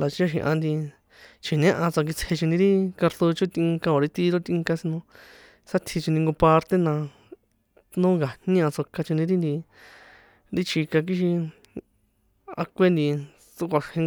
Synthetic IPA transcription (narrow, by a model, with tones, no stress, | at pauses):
la˨t͡ʃa˦ʃ̬ḭ̃˧ʔã̰˧nd̪i˧ | t͡ʃi˨nẽ˦ʔã˧t͡sa˧k̬i˧t͡sʰe˧t͡ʃũ˧nĩ˧ɾi˦ka˧ɾt̪o˧t͡ʃũ˦t̪ĩ˧ŋka˧õ˨ɾi˦t̪i˦ɾo˦t̪ĩ˧ŋka˧si˧nũ˧ | sa˦t̪ʰi˧t͡ʃũ˧nĩ˧ŋɡõ˧pa˧ɾt̪e˦nã˧ | nũ˦ɡa˨n̥ĩ˦ã˧t͡so˧ka˧t͡ʃũ˧nĩ˧ɾi˦nd̪i˧ | ɾi˦t͡ʃi˧ka˧k̬i˦ʃ̬i˧ | a̰˧kʷe˦nd̪i˧ | t͡su˦kʷa˧ʂhẽ˧ŋ